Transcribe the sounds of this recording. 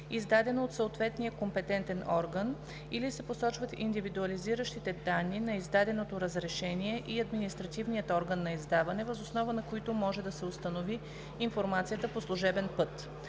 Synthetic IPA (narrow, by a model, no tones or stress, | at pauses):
izd̪ad̪ɛnoːt̪səot̪vɛt̪nijəkompɛt̪ɛnt̪ɛnɔɾɡən | ilisɛposɔt͡ʃvət̪ḭnd̪ivid̪uɐliziɾəʃt̪it̪ɛd̪anːinɐizd̪ad̪ɛnot̪oɾəzɾɛʃɛniɛʔiɐd̪minist̪ɾɐt̪ivnijət̪ɔɾɡənːɐizd̪avɐnɛvɐzosnɔvənɐkoit̪omɔʒɛd̪ɐsɛost̪ɐnoviː | nfoɾmat̪sijət̪əposlˠuʒɛbɛnpɤt̪